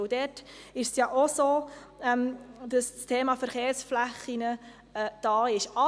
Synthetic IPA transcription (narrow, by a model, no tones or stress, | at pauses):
ʊdɛtɪʃsjɑːʔosoː | ɛmd̥ɑsstʰeːmɑfəɾχeːɾsflæχinə | ɛd̥ɑːɪʃɑ